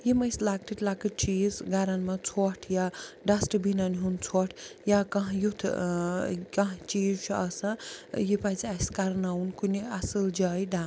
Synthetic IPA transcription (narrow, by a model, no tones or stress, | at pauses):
jemɐjslak̚ʈʰiʈlakɨt͡ʃizɡaɾanmat͡sʰɔʈʰjaɖasʈbinaniɦunt͡sʰɔʈʰjakɐɦjut̪ʰ | kaɦt͡ʃizt͡ʃʰuɐsãjepat͡siaskaɾnawnkuniasɨld͡ʒajdan